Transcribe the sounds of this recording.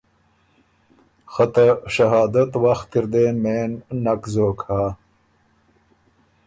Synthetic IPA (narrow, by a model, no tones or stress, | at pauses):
xɐt̪ɐʂɐɦaːd̪ɐt̪waxt̪iɾd̪eːnmeːnːɐkzoːkaː